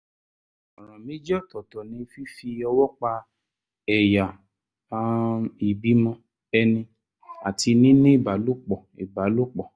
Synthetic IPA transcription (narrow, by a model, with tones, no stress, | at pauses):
ɔ˨ɾ̃ã˨mĩ˨˦d͡ʒɔ˦˨tɔ˨tɔ˨nĩ˨˧fi˦fi˧ɔ˧wɔ˦k͡pa˧ | ɛ˨ja˨˧ | i˨bi˨˦mɔ̃˧ | ɛ˧nĩ˧ | a˨ti˧nĩ˦nĩ˦i˦˨ba˨˦lu˦˨k͡pɔ˨ḭ˨ba˨˦lu˦k͡pɔ˨